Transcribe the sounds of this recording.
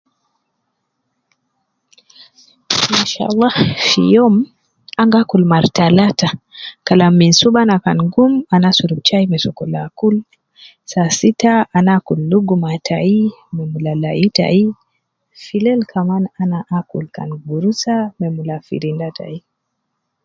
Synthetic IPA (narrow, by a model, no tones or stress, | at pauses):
inʃa̰lˤːahfḭjɔm | aŋɡakulmaɾtalatakalamːinsuɓanakanɡumanasuɾub̚t͡ʃaimɛsɔkɔlakul | sasitaanakulːuɡumatʰaimɛmulalaita̰i | filɛlkʰamananaʔakulka̰nɡuɾusamɛmulafḭɾindata̰i